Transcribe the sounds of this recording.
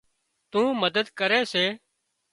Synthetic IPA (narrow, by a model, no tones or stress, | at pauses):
t̪ũːməd̪əd̪kəɾeːseː